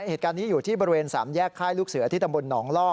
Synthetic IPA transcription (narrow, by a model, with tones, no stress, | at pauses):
heː˨˩kaː˧nːiː˦˥juː˨˩t̪ʰiː˥˩bɔː˧ɾi˧weː˧nsaː˩˦mjɛː˥˩kʰːaː˥˩jluː˥˩k̚sɯː˨˩˦ɐ˦t̪ʰi˦˥˩t̪a˧bo˧nːɔː˩˦ŋlɔː˥˩